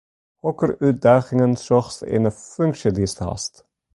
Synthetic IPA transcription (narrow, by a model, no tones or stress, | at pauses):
hɔkəɾʉːt̪̚d̪ɑːχɪŋənsɔχsḛnəfʉŋkʃəd̪ɪstɑ̰st̪